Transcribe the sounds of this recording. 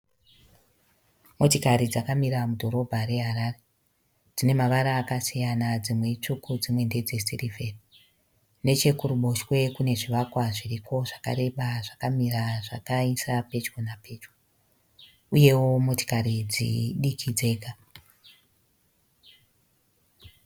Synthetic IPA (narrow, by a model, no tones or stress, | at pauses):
mo̞tikaɾid͡zakamiɾamudʱo̞ɾo̞bʱaɾe̞ɦaɾaːre | d͡zine̞maʋaɾaːkasijanad͡zimwe̞t͡ʂukʰud͡zimwe̞nde̞d͡ze̞sirive̞ri | ne̞t͡ʃe̞kuɾuɓo̞ʃwe̞kune̞ʐiʋakwaʐiriko̞ʐaka̰ɾe̞ɓaʐakamiraʐakaisape̞t͡ʃkonape̞ːt͡ʃko | uje̞wo̞mo̞ti̥kaɾid͡zḭɗikʰid͡ze̞ːɡʱa